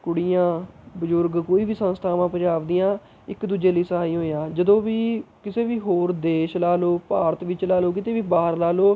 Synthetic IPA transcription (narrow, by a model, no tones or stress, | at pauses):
kʊɽijãːbəzʊɾɡkoːiːʋiːsə̃nst̪ʰaːʋãːpə̃ɲd͡ʒaːʋd̪iːãː | ɪkd̪uːd͡ʒeːləiːsəɦaːiːɦoːjãːd͡ʒəd̪õːʋiːkɪseːʋiːɦoːɾd̪eːʃlaːloːpaːɾət̪ʋɪt͡ʃlaːloːkɪt̪eːʋiːbaːɦəɾlaːloː